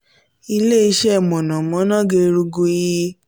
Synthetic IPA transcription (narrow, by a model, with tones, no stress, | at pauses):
i˧le˦˨i˧ʃɛ˦˨mɔ̃˨nã˨mɔ̃˨˦nã˦ɡe˧ɾu˧ɡu˧˦˧ji˧